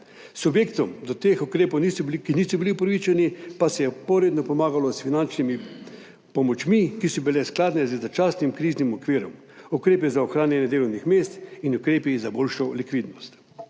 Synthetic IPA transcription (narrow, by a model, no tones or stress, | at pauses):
subjeːkt̪ɔmd̪ɔt̪eːxukɾeːponiskiniːsɔbiliupɾɐʋit͡ʃɛnipasɛjɛpɔɾeːd̪nɔpɔmaːɡalɔsfinant͡ʃnimi | pɔmɔt͡ʃmikisɔbilɛsklaːd̪nɛzɛzat͡ʃaːsnimkɾiznimɔkʋiːɾɔm | ukɾeːpizaɔxɾaːnjɛnjɛd̪eːlɔwnixmeːst̪inukɾeːpizaboːlʃɔlikʋiːd̪nɔst̪